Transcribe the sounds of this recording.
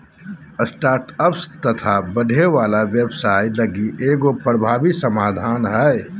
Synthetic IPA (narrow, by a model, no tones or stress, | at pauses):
əsʈaːɾʈəpst̪ət̪ʰabəɖʱeʋaːlaʋjebsaːiləɡiʔeːɡopɾəbʱaːbisəmaːd̪ʱaːnɦɛe